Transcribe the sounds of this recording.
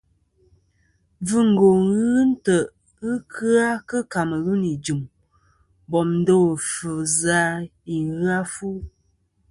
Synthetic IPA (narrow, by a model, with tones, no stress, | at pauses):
vɨ˦ŋ̩˨ɡo˨ɣɨ˦n̩˦tə˨ | ɨ˦kʰɨ˦a˦kɨ˦ka˨mə˨ɣu˦ni˨d͡ʒu˨m | bɔ˨mn̩˦do˦˨fɨ˨za˨˦i˨ɣɨ˦a˦fu˦